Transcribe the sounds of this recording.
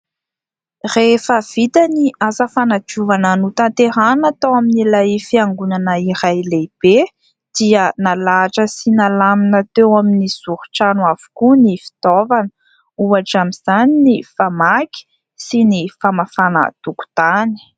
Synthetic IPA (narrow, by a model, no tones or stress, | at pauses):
refəv̥it̪aniazəfanat͡ʃuvananut̪ant̪eɾanat̪awaminilajfiaŋɡunanəiɾajleb̥e | d̪̥iənalaʈ͡ʂəsinalaminat̪ewaminiz̥uɾu̥ʈ͡ʂanuavu̥kunifi̥t̪ɔvan | uaʈ͡ʂamiz̥aninifamakʲi̥ | sinifamafanə̰t̪uku̥t̪ani̥